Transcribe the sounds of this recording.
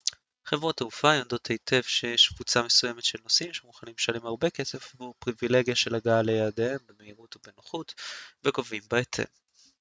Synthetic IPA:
χevʁot̪eufajond̪o̞tʰejtʰe̞vʃejeʃkv̥ut͡same̞suje̞me̞tʃelnosimʃemuχanimʃanimaʁbekesefvupʁivile̞ɡjaʃe̞laɡaalejaːdehembemeiʁutobenoχutveɡovimbaet̪ʰḛv

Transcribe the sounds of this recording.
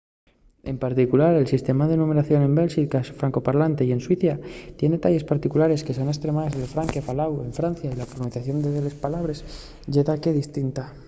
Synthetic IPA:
e̞mpaɾt̪ikulaɾe̞lsist̪e̞maðenume̞ɾaθjo̞ne̞mbe̞lsikasfɾaŋko̞paɾlant̪e̞ie̞nswiθjat̪je̞net̪aʎe̞spaɾt̪ikulaɾe̞ske̞sonest̪ɾe̞maðezðelfɾaŋke̞falawe̞̰ɱfɾanθjailafoɾaniθaθjo̞nd̪eðele̞spalaβ̞ɾe̞s | ʝe̞ðake̞ðist̪int̪a

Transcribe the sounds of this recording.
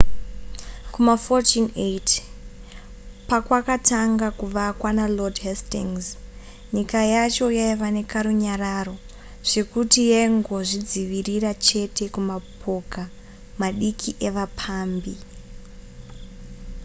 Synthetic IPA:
kumafotinet | pakwakataŋɡakuʋakwanalodɦestiŋz | ɲikajat͡ʃo̞jaiʋane̞kaɾuɲaɾaro̞ | ʐ̥e̞kutijeiŋɡo̞ʐid͡ziʋirirat͡ʃe̞tʰe̞kumapʰo̞ka | maɗikʰiʔe̞ʋapʰaːmbi

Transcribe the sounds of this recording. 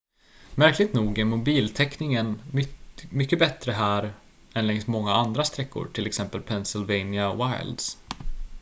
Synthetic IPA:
mæɾklɪɡ̚t̪nuːɡæɾmʊbiːlt̪ʰɛknɪŋən | mʏkːəbɛt̪ɾəɦæːɾ | ɛnlɛŋst̪mɔŋːaand̪ɾast̪ɾɛkʰːʊ̰ɾʈʰɪlɛksɛmpəlpʰɛnsɪlvɛjnɪawaj̰ld̪s

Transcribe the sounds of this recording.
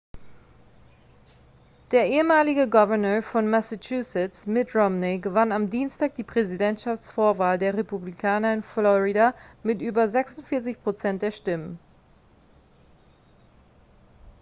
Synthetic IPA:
d̥eːɐʔeːəmaːlɪɡəɡɔvɛɐnøːɐfɔnmɛsat͡ʃuːsɪt͡smɪtʁɔmneɡəvanamdiːnstaːk̚d̥iːpʁ̥ɛzidɛntʃaft͡sfoːɐvaːldeːɐʁepublikʰaːnɐɪnflɔʁidamɪtʔyːbɐzɛksʊntfɪɐt͡sɪçpʁ̥ot͡sɛnt̚d̥eːɐʃtɪmən

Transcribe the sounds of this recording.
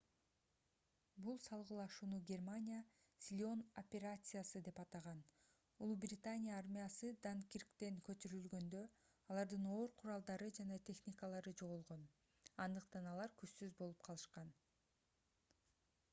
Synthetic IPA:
bulˠsɑlˠʁɯlˠɑʃuːnuɡʲe̞rmanʲija | sʲlʲo̞nopʲe̞ɾat̪sɨjasɯd̪e̞pɑt̪ɑʁɑn | ulˠubrʲɪt̪anʲijaarmʲijasɯd̪aŋkʲirkt̪e̞ŋkø̞t̪yɾylɡø̞nd̪ø̞ | ɑlˠɑɾd̪ɯno̞ːɾqʰuɾɑlˠd̪ɑɾɯd͡ʒɑnɑt̪ʲʰe̞xnʲikəlˠɑɾɯd͡ʒo̞ʁulˠʁo̞n | ɑnd̪ɯqt̪ɑnɑlˠɑɾkyʃsyzbo̞lˠup̚qʰɑlˠɯʃqɑn

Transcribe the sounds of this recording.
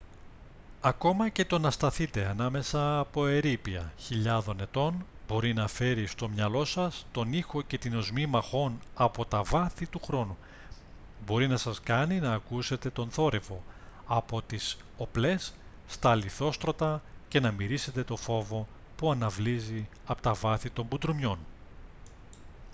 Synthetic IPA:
ɐko̞mɐce̞t̪o̞nɐst̪ɐθit̪e̞ɐnɐme̞sɐːpo̞e̞ɾipiɐ̰çiʎɐðo̞ne̞t̪o̞nbo̞ɾinɐfe̞ɾist̪o̞mɲɐlo̞sɐst̪o̞nixo̞ce̞t̪ino̞zmimɐxo̞nɐpo̞t̪ɐvɐθit̪uxɾo̞nu | bo̞ɾinɐsɐskɐninɐːkuse̞t̪e̞t̪o̞nθo̞ɾe̞vo̞ɐpo̞t̪is | o̞ple̞sː | t̪ɐliθo̞st̪ɾo̞t̪ɐce̞nɐmiɾise̞t̪e̞t̪o̞fo̞vo̞ | puɐnɐvlizi | ɐpo̞t̪ɐvɐθit̪o̞mbud̪ɾomɲo̞n

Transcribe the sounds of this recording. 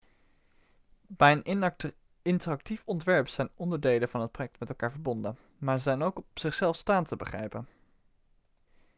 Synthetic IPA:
b̥ɛjənʔ | ɪntərɑk̚tifɔntʋɛɹpsɛjnɔndəɹdejlənvɑnɦət̚projɛk̚tmɛtɛlˠkaːɹvəɹbɔndən | maːɹzɛjnowkpsɪχsɛlˠfstaːntəbəχrɛ̰jpən

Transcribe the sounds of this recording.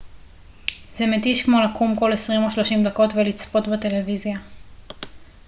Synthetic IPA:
ze̞met̪iʃkmo̞lakʰumko̞le̞sʁimoʃlo̞ʃimd̪ako̞t̪velit͡spo̞t̪bet̪e̞le̞vizja

